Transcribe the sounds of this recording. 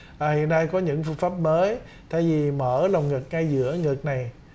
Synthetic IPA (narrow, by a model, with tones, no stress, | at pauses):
ʔaː˨˩hḭ˧˨əna˧jkɔ˨˦ɲɨ̰˧˥ŋfɨ˧ŋfaː˦˥p̚məː˨˦j | t̪ʰa̰ː˧˨jvi˨˩məː˧˩la˨˩wŋ͡mŋɨ˨˩k̚ŋa˧jzɨ̰˧˥əŋɨ˨˩k̚na˨˩j